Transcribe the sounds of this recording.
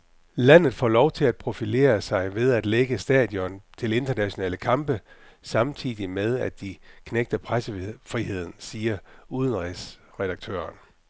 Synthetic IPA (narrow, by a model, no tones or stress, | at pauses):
læn̰ð̞̩ˠfɒ̰ːlɒʊt͡sʰe̝læd̥̚pʰʁo̝file̝̰ːɐsɑ̈ɪʋe̝ð̞ˠæd̥leɡ̥əsd̥ɛ̰ðˠjɒ̽nt͡sʰe̝le̝nd̥ɐnæɕo̝nɛ̰ːləkʰɑ̈mb̥ə | sɑ̈mt͡sʰḭːðˠimeð̞ˠæd̥̚ikʰneɡ̥̚d̥ɐpʰʁasəfʁiɦe̝ð̞̰ˠn̩siːɐuð̞ˠənʁɛsʁɛd̥ɑ̈ɡ̥̚t͡sʰø̰ːɐn